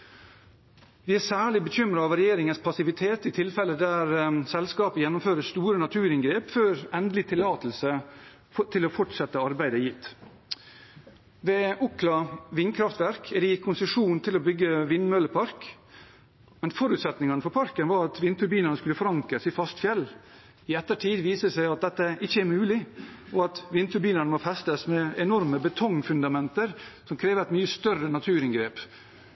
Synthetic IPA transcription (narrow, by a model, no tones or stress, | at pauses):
ʋɪæsæːɭɪbəçʏmɾɑɑʋɾɛjeːɾɪŋənspʰɑsɪʋɪt̪ʰeːt̪ɪt̪ʰɪlfɛlːəd̪æɾsɛlskɑːpəjɛnːʊmføːɾəst̪uːɾənɑt̪ʰʉːɾɪnɡɾeːpføːɾɛnd̪lɪt̪ʰɪlɑːt̪əl̩sə | t̪ʰɪlɔːfɔʈsɛt̪ːəɑɾbæɪd̪əjɪt̪ː | ʋɛʔʊklɑʋɪnkʰɾɑft̪ʋæɾkʰɛd̪ɛjɪkʰːʊnsəʂuːn̩t̪ʰɪlobʏɡːəʋɪnmøləpʰɑɾk | mɛnfɔɾʉt̪sɛt̪nɪŋɑnəfɔɾpʰɑɾkənʋɑːɾɑt̪ʋɪnt̪ʰʉɾbiːnɑnəskʉlːəfɔɾɑŋkəsɪfɑst̪fjɛl | ɪɛt̪ːəʈʰiːd̪ʋiːsəsæɪɑt̪̚d̪ɛt̪ːəʔɪçːəæɾmʉːlɪʔɔɑt̪ʋɪnt̪ʰʉɾbiːnɑnəmofɛst̪əsmɛɛnɔɾməbət̪ʰɔŋfʉnd̪ɑmɛnt̪əɾsɔmkʰɾeːʋəɾæɪt̪myːəst̪œrənɑt̪ʰʉːɾɪŋɡɾeːp